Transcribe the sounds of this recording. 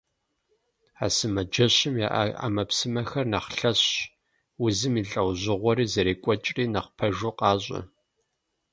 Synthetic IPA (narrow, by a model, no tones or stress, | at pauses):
a̰ːsɨmɐd͡ʒɐɕɪmja̰ʔʔa̰mɐpsɨmɐxɐrnɐχɬɐɕ | wʊzɨmiːɬʼɐwʑɪʁʷɔɾiːzɐɾeːkʷʼɔt͡ʃʼriːnɐχpʰɐʒuːqɑːɕʷʼɐ̰